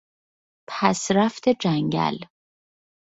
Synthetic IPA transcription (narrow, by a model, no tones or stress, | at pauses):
pʰæsɾæft̪ʰe̞d͡ʒæŋɟæ̰l